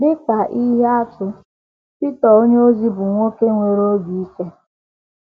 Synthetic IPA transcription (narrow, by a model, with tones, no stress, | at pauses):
dɪ˦ka˨ʔi˦ɦe˦a˦tʊ˨ | pi˦tɔ˨o˦ɲe˦o˦zi˦bʊ˨ŋʷo˦ke˦ŋʷe˨ɾo˦ɡi˨i˦ke˦